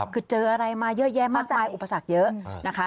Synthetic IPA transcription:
kɯ˨˩t̪̚t͡ɕɤː˧ʔa˧ɾa˧jmaː˧jɤ˦˥jɛ˦˥maː˥˩k̚t͡ɕa˧aː˧jʔu˨˩pːa˧sa˨˩k̚jɤ˦˥ʔna˦˥kʰa˦˥

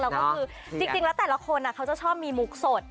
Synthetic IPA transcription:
lɛː˦˥wkɔː˥˩kʰɯː˧ | t͡ɕi˧ŋt͡ɕi˧ŋlɛ˦˥t̪ɛː˨˩la˦˥kʰo˧nʔa˨˩kʰa˦˥wt͡ɕa˨˩t͡ɕʰɔː˥˩p̚miː˧mu˨˩k̚so˨˩t̪̚

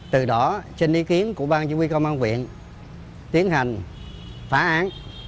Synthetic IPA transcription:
t̪ɨ˨˩ɗɔ˨˦t͡ɕe˧nʔi˨˦ki˨˦ənku˧˩əɓaː˧nt͡ɕu˨˦wi˧kə˧wmʔaː˧ŋkwḭ˧˨ən | t̪i˨˦˥ənha˨˩jŋ̟ | faː˨˦ʔaː˨˦n

